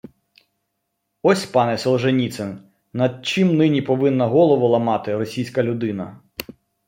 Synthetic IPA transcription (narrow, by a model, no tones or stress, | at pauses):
ɔsʲpɑnɛsɔlˠʒenʲit̪sen | nɐd̪̚t͡ʃɪmnɪnʲipɔʋɪnːɐɦɔlˠɔʋɔlˠɐmɑt̪ɪɾɔsʲijsʲkɐlʲʊd̪ɪnɐ